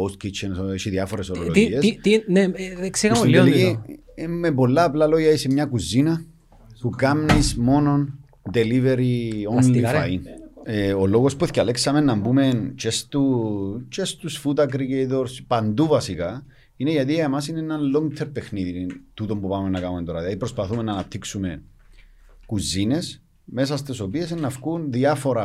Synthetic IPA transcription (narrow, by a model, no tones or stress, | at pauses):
oskit͡ʃensoeʃiðiɐfoɾesololoiest̪ineeksiɣɐiii | mepo̞lːɐːplɐloʝɐisemɲɐkuzinɐ | pukɐmnismo̞no̞n | d̪e̞liveɾionlifa̰ineolo̞ɣospueθcɐleksɐme̞nːɐmbume̞nt͡ʃest̪ut͡ʃest̪usfut̪ɐk̬ɾikejt̪oɾspɐnd̪uvɐsikɐ | ineʝɐt̪̬iɐemɐsineenɐnlo̞ŋɡt̪ʰeɾpe̞xniðit̪ut̪o̞mbupɐmenːɐkɐnumet̪oɾɐðjɐðipɾospɐθume̞nːɐːnɐp̚t̪ʰːiksume̞ | kuzines | me̞sɐst̪eso̞pie̞senːɐfkunðiɐfoɾɐ